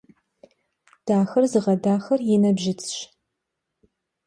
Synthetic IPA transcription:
d̥aːxɐrzɨʁɐdaːxɐrjɛnɐbʒɪt͡sʰɕ

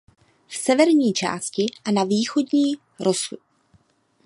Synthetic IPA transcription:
fsɛvɛɾɲiːt͡ʃa̰ːscɪʔanaviːxo̞dɲiː | ɾʔosu

